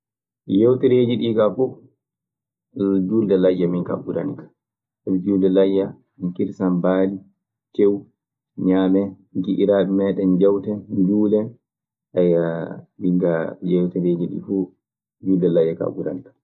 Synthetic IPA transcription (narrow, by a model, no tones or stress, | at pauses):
jewtiɾeːd͡ʒiɗiːkafu | d͡ʒuːldɛlajːaminka̰ɓudanikḁ | ald͡ʒuːldɛlajːa | minkiɾsanbaːli | t͡ʃew | ɲaːmɛ | ɡiʔiɾaːɛmɛːɗɛnd͡ʒɛwtɛd͡ʒuːlɛ | ʔajbiŋɡajɛwtɛɾeːd͡ʒiɗḭfu | d͡ʒuːldɛlajːaka̰buda̰nikḁ